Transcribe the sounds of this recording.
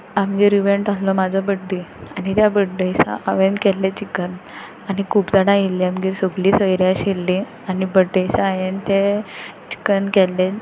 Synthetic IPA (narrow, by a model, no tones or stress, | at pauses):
amd͡ʑiɾiʋeɳʈaslɔmad͡zʱɔbəɖːianit̪jabəɖəjsa̰ʔaʋenkɛlːet͡ɕikən | anikʰuːpd͡zaɽãilːiamɡiːɾsəɡliːsəjɾjaɕilːi | anibəɖəjsaajent̪et͡ɕi̥kənkɛlːe